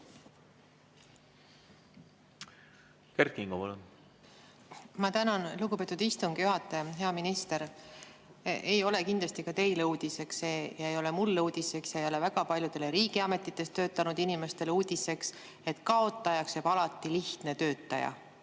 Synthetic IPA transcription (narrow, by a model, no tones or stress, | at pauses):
keɾkiŋɡ̥opɑlun | mɑt̪ænɑnlukɡ̥upe̞t̪ːˑud̪ist̪uŋɡ̥juɦɑt̪ːˑɑjɑɦe̞ɑminist̪e̞ɾ | ejo̞le̞kind̪lɑst̪ikɑt̪e̞jleuːd̪̥ise̞kseːjɑejo̞lemulːeuːd̪̥ise̞ksjɑejo̞le̞væɡ̥ɑpɑlʲjud̪̥e̞le̞ɾiːɡ̥iɑme̞t̪ːˑit̪ːˑe̞st̪ø̞ːt̪ːˑɑnud̪inime̞st̪e̞leuːd̪̥ʲise̞ks | e̞t̪ːkɑo̞t̪ːˑɑjɑksebɑlɑt̪ːiliht̪ne̞t̪ø̞ːt̪ːˑɑjɑ̰